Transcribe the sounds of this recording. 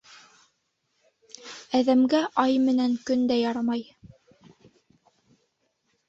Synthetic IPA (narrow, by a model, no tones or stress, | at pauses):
æðæmɡæʔɑjmɘ̆næŋkɵnd̪æjɑɾɑmɑj